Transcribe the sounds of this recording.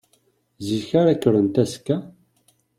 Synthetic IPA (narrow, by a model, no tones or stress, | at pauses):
ziçaɾækːəɾənt̪æskæ